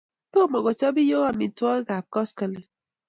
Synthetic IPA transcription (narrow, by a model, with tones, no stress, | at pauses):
po˦˨mɔ˨ɡɔ˨t͡ʃɔ˦bi˦jo˦wa˦mi˨˦twɔ˦ɡa˨p̚kɔ˦skə˨le˨